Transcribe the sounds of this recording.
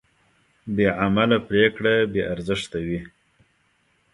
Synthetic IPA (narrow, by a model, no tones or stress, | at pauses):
beʕamalapɾekɽabeʔaɾzəʂt̪awi